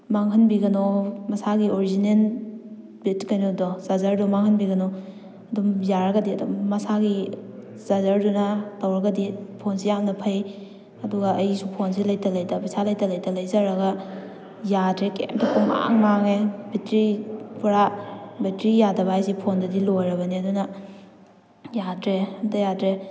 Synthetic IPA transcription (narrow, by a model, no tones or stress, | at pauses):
maŋɦɐnbiɡɐnɔmɐsaɡioɾizinen | bitkajnodɔzazaɾdumaŋhɐnbiɡɐnɔ | ɐdumjaɾɐɡɐdiɐdumːɐsaɡi | z̥azɐɾdunɐtɐwɾɐɡɐdipʰonsijamnɐpʰɐj | ɐduɡɐːjsupʰons̬ilɐjtɐlɐjtɐbisʰalɐjtɐlɐjtɐlɐjzɐɾɐɡɐ | jadɾekḛmtɐpʰuŋa̰ŋmaŋebʱitɾipuɾabitɾijadɐbajsipʰondɐdilojɾɐbɐniɐdunɐ | jatɾemtɐjatɾe